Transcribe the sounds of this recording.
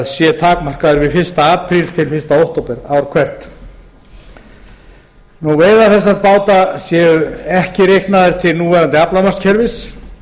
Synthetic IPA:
ðsjɛt̪ʰaːkmar̥kaðʏɾvɪðfɪ̥st̪aaːpʰɾil̥t̪ʰɪlfɪnst̪aowht̪owpɪɾawɾkʰvɛr̥t̪ | nuveːjðaθɛsːaðpaːwt̪asjɛːʏɛhcɪɾehknaðɪɾ̥t̪ʰɪlnuːvɛɾant̪ɪaplamar̥scʰɛɾvɪs

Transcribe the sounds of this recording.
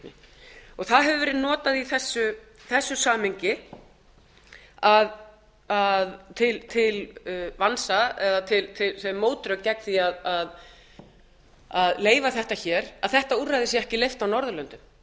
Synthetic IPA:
ɔɣθaðɦɛvʏvɛːɾɪðnɔːt̪aðiθɛsːʏ | θɛsːʏsaːmɪɲcɪ | að | aðt̪ʰɪlt̪ʰɪlvansaɛðat̪ʰɪlt̪ʰɪlsɛmːoːwt̪ɾœkcːɛkθiaðað | aðleːjvaθɛht̪açɛːɾaðθɛht̪aurajðɪsjɛɛhcɪlejft̪awnɔɾðʏlœnt̪ʏm

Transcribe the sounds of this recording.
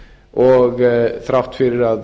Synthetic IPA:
ʔoːɡθʰɾɑft̪fyːɾɾɑd

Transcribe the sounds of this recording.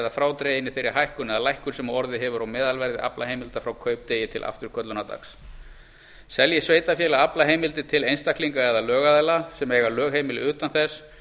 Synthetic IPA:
ðafɾaːwt̪ɾeːjɪnɪθejɾɪ̥ɦajhkʏnɛðalajhkʏɾ̥sɛmaɔɾðɪɦɛvʏɾawmɛːðalvɛɾðɪʔa̰plaheːjmɪlt̪afɾawkʰœːɥp̚t̪ejɪt̪ʰɪlʔa̰ft̪ʏɾ̥kʰœt̪lʏnat̪a̰ks | sɛljɪsveːjt̪afjɛːlaaplaɦeːjmɪlt̪ɪt̪ʰɪlejnst̪ahkliŋkaɛðalœːɣaðajlasɛmɛːɣalœːɣhejmɪlɪʏːt̪anθɛs

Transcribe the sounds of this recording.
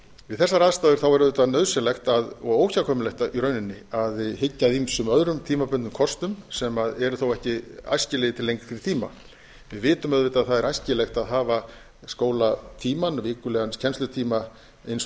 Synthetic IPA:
vɪðθɛsːaɾaːðst̪aːðʏɾ̥θawɛɾʏðet̪anœðsɛlɛxt̪aðɔɣoːwçakʰɔːmɪlɛxt̪aiɾœːɥnɪnːɪaðhɪcːaðimsʏmœðɾʏmt̪ʰiːmapʏnt̪ːʏmkʰɔst̪ʏmsɛmaðɛɾʏθowɛhcɪa̰jscɪlɛðɪt̪ʰɪlːejŋkθɾɪt̪ʰiːma̰ | vɪðvɪːt̪ʏmœðvɪt̪aðθaðɛɾajscɪlɛxt̪aðɦaːva | skoːwlat̪ʰiːmanvɪːkʏlɛːɣanscʰɛnst̪lʏt̪ʰiːma | ejns

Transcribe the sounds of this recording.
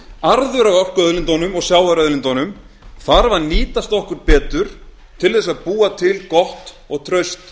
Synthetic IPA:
aɾðʏɾaɣɔr̥kœðlɪnt̪ɔnʏmɔɣsjaːwvɛɾœðlɪnt̪ɔnʏm | θaɾvaɾniːt̪ast̪ɔhkʏɾpɛːt̪ʏɾ̥ | t̪ʰɪlθɛs̬aðpuːat̪ʰɪlkɔht̪ | ɔɣt̪ʰɾœɥst̪

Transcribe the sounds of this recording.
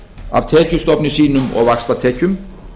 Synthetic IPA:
ʔɑ̰ːʋt̪ʰeːkʰʉst̪ɔpnɪsiːnʉmo̰ːʋɑkst̪ʁɑt̪ʰeːkʰʉm

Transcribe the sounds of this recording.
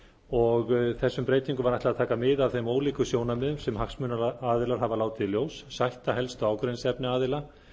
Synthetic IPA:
ɔɣθɛsːʏmpɾeːjt̪iŋkʏmvaɾajt̪aðt̪ʰaːkamɪðavθejmoːwliːkʏsjoːwnamɪðʏmsɛmhaksmʏnaaːðɪlaɾ̥ɦavalaːwt̪ɪðljoːwsːajht̪aɦɛlst̪aːwkɾejnsɛpnɪaːðɪla

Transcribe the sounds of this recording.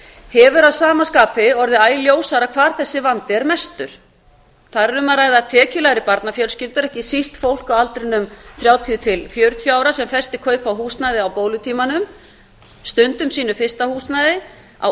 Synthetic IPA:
hɛvʏɾaðsaːmaskaːpɪɔɾðɪaːjljoːwsaɾakʰvaːɾ̥θɛsːɪvant̪ɪɛɾmɛst̪ʏɾ̥ | θaɾɛɾʏmaðɾaːjðat̪ʰɛːcʏlajɾɪpaɾt̪nafjœlscɪlt̪ʏɾɛhcɪsist̪fowl̥kawalt̪ɾɪnːʏmθɾjaːwt̪ʰiʏt̪ʰɪlfjœːɾʏt̪ʰvjaːwɾasɛmfɛr̥st̪ɪkʰœːɥpawɦuːsnajðɪawpowlʏt̪ʰiːmanʏm | st̪ʏnt̪ʏmsiːnʏfɪst̪ahuːsnajðɪ | a̰

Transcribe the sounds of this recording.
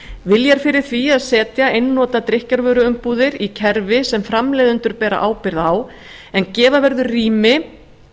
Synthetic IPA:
vɪljɛɾ̥fɪɾɪɾ̥θviaðsɛːt̪jaejnːɔːt̪at̪ɾɪhcaɾvœːɾʏʏmpuːðɪɾicʰɛɾvɪsɛmfɾamlɛːðʏnt̪ʏɾpɛːɾa̰ʔaːwpɪɾðaw | ɛncɛːvavɛɾðʏrriːmɪ

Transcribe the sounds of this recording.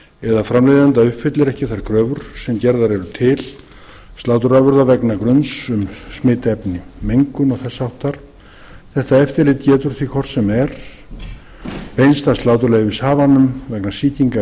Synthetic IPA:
ɛðafɾamlejðant̪aʏhpfɪt̪lɪɾɛhcɪθaɾkʰɾœːvʏɾ̥sɛmcɛɾðaɾɛɾʏt̪ʰɪl | st̪laːwt̪ʏɾavʏɾðavɛknakɾʏnsʏmsmɪːt̪ɛpnɪmejŋkʏnɔɣθɛsːaawht̪ːaɾ̥ | θɛht̪aɛft̪ɪɾlɪːt̪cɛːt̪ʏɾ̥θvikʰɔr̥t̪sɛmɛɾ̥ | pejnst̪ḁst̪laːwt̪ʏɾlɛːɣʏvɪsaːvanːʏmvɛknasiːt̪iŋka

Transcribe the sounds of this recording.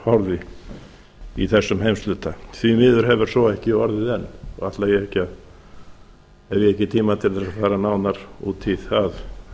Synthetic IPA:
hɔɾðɪ | iθɛsːʏmɦejmst̪lʏːt̪aθvimɪːðʏɾ̥ɦɛvʏɾ̥sɔɛhcɪɔɾðɪðɛnːɔɣaht̪lajɛɛhcɪað | ɛɾvjɛɛhcɪt̪ʰiːmat̪ʰɪlðɛɾaðfaːɾanaːwnaɾ̥ṵːt̪ʰiðað

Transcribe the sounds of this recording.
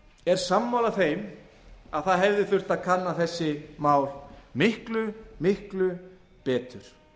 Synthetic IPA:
ɛɾ̥samːawlaθejm | aðθaðɦɛvðɪθʏr̥t̪aðkʰanːaθɛsːɪmaːwlmɪhklʏmɪhklʏ | pɛːt̪ʏɾ̥

